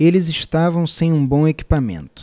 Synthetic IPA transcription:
elɪzɪʃt̪avɐ̃w̃sẽj̃ũbõeki̥pamḛ̃nt̪ʊ̥

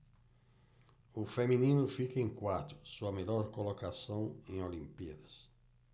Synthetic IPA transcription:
ʊfeminĩnʊfikɐẽŋkwat̪ɾʊsuɐmelɔɾkolokasɐ̃w̃ẽj̃olĩmpiɐd̪ɐs

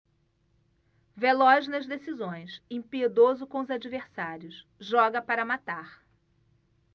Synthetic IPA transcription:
velɔʒnɐzd̪esizõj̃sẽpied̪ozʊkõʊzad͡ʒiveɾsaɾjʊs | ʒɔɡɐpaɾɐmat̪aɾ

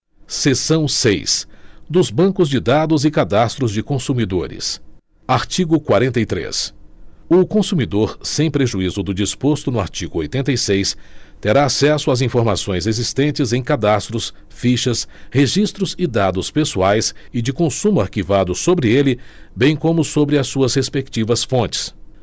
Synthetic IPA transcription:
sesɐ̃w̃sejsd̪ʊzbɐ̃kʊzd͡ʒɪd̪ad̪ʊzɪkad̪ast̪ɾʊzd͡ʒɪkõsumid̪oɾɪ̰s | aɾt͡ʃiɡʊkwaɾẽnt̪ɐjt̪ɾḛs | ʊkõsumid̪oɾsẽj̃pɾeʒuizʊd̪ʊd͡ʒispost̪ʊnʊa̰ɾt͡ʃiɡʊo̰jt̪ẽnt̪ejsejst̪eɾaːsɛsʊazĩfoɾmasõj̃zezist̪ẽnt͡ʃɪzẽj̃kad̪ast̪ɾʊs | fiʃɐsheʒist̪ɾʊzɪd̪ad̪ʊspesuajsɪd͡ʒɪkõsũmʊaɾkivad̪ʊsobɾɪelɪbẽj̃kõmʊsobɾɪɐsːuɐshespek̚t͡ʃivɐsfõnt͡ʃɪ̥s

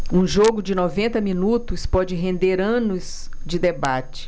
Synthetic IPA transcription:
ũʒoɡʊd͡ʒɪnovẽnt̪ɐmĩnut̪ʊspɔd͡ʒɪɦẽnd̪eɾɐ̃nʊs | d͡ʒɪd̪ebat͡ʃɪ̥

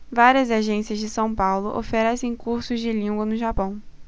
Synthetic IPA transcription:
vaɾiɐzaʒẽsiɐzd͡ʒɪsɐ̃w̃pawlʊʔo̰fɛɾɛsẽj̃kuɾsʊzd͡ʒɪlĩŋɡwɐnʊʒapɐ̃w̃

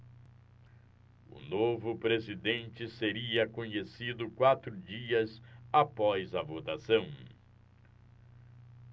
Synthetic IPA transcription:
ʊ̰novʊpɾezid̪ẽnt͡ʃɪseɾiɐkõɲesid̪ʊkwat̪ɾʊd͡ʒiɐzapɔjzɐvot̪asɐ̃w̃

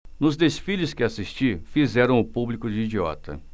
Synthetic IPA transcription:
nʊzd̪esfilɪskɪasist͡ʃifizɛɾɐ̃w̃ʊpublikʊd͡ʒɪid͡ʒiɔ̰t̪ɐ̰

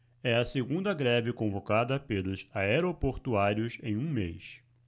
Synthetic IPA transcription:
ɛɐseɡũnd̪ɐɡɾɛvɪkõvokad̪ɐpelʊsaɛɾopoɾt̪uaɾiʊsẽj̃ũmejs

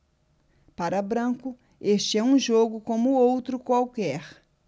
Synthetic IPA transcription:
paɾɐbɾɐ̃kʊ | est͡ʃɪɛũʒoɡʊkõmʊowt̪ɾʊkwawkɛɾ

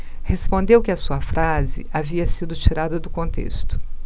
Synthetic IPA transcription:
hespõnd̪ewkɪɐsuɐfɾʔazɪ̰aviɐsid̪ʊt͡ʃiɾad̪ɐd̪ʊkõnt̪ḛst̪ʊ̥

